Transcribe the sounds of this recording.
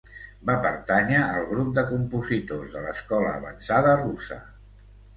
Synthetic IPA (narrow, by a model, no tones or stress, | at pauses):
bapəɾt̪aɲəːlˠɣɾup̚d̪əkumpuzit̪ozðələskɔləːβənsaðərusə̰